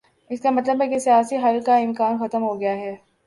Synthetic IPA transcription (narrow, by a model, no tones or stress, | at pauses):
ɪskamɐt̪ləbɦɛkesijaːsiɦɐlkaɪ̃mkaːnxɐt̪əmɦoɡɐjaɦɛː